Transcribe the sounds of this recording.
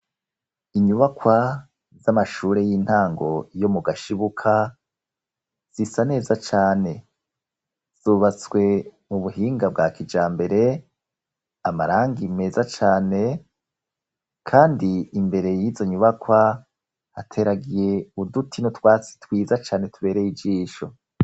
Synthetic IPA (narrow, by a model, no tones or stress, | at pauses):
iɲuβakwa | zamaʃuːɾe̞jiːn̥haːŋɡo̞jo̞muɡaʃiβukʰa | z̥isane̞ːzat͡ʃaːne̞ | z̥uːβat͡swe̞muβuɦiːŋɡab̚ɡakid͡ʒaːmbe̞ɾe̞ | amaɾaːŋɡime̞zat͡ʃaːne̞ | kʰaːndiːmbe̞ɾe̞jiːzo̞ɲuβakwa | hatʰe̞ːɾaɡije̞udutʰinotwaːt͡si̥twiːzat͡ʃaːne̞tuβe̞ːɾe̞jid͡ʒiːʃo̞̰